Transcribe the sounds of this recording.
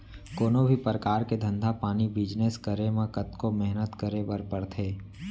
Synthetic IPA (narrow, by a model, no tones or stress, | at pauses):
koːnõbʱipəɾəkaːɾked̪ʱə̃nd̪ʱapaːnibɪd͡ʒneskəɾemãkət̪komɛɦnət̪kəɾebəɾpəɽt̪ʰeː